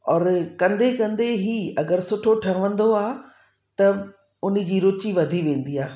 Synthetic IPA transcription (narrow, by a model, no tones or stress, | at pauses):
ɔːɾkɐ̃nd̪ekɐ̃nd̪eɦiɐɡəɾsʊʈʰoʈʰɐʋə̃nd̪oaːɦ | t̪ɐ | ʊnɪ̆d͡ʑiːɾʊt͡ɕiʋɐd̪ʱiʋẽːn̆d̪iːaː